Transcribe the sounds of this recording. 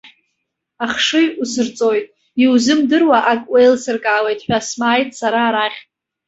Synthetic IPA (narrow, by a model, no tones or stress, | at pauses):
aχʂɨjusɨrt͡sʼo̞jtʼ | iwzɨmdɨrwaʔakʼwejlsɨrkʼaːle̞jtʼħʷᶣasmaːjtʼsaɾaːɾaχʲtʼ